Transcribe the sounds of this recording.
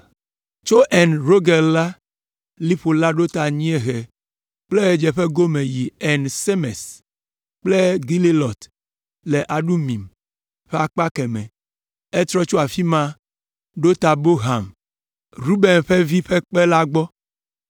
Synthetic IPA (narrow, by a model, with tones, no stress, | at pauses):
t͡ʃo˦ʔɛ˨nɾo˦ɡɛ˨lla˦ | li˦ɸo˨la˦ɖo˦t̪a˨ɲĩ˦e˦ɣɛ˨ | k͡ple˦d͡ʒɛ˨ɸe˦ɡo˦mẽ˨ji˨ɛ˨nse˦mɛ˨s | k͡plɛ˦ɡi˦li˦lɔ˨t̪ | le˨ʔa˨ɖu˦mĩ˨m | ɸe˦a˨k͡pa˦kɛ˨mɛ̃˨ | ɛ˦t̪ɾɔ˦t͡ʃo˦a˨fi˦mã˦ | ɖo˦t̪a˨bo˦ɦa˨m | ɾu˦be˨nɸe˦vi˦ɸe˦k͡pe˦la˦ɡ͡bɔ˦